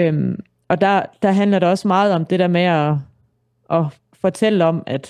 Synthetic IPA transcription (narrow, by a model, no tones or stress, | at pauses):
øm | ɒ̽d̥ɑd̥ɑ̈ɦænlɐɾeɒ̽smɑ̈ːð̞̩ˠɒ̽md̥e̝ɾ̥æɐmeɒ | ʔɒ̽ | fɒ̽t͡sʰel̰əɒ̽mæd̥